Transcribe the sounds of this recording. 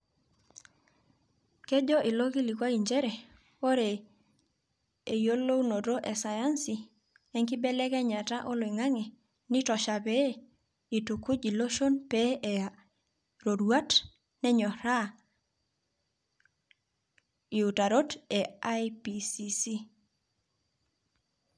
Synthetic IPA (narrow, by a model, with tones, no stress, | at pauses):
ke˦d͡ʒɔ˦ʔi˨lo˦ki˦li˨kwa˦i˨ɲd͡ʒɛ˦ɾɛ˨ | wo˦ɾe˨ | e˨jo˦lo˦wno˨ɾo˦ʔɛ˨sa˨ja˦nsi˨ | ɛ˦ŋki˦bɛ˦lɛ˦kɛ˦ɲa˨ta˦ʔo˦lo˨i˨ŋa˦ŋɛ˨ | ni˦tɔ˨ʃa˨pe˦ | i˨tu˨ku˦d͡ʒi˨lo˦ʃo˦npe˦ɛ˨a | ɾo˨ɾwa˦t | nɛ˦ɲɔ˨ɾa˦ | i˨u˨ta˨ɾo˦tɛ˨a˦ipi˨si˨si˦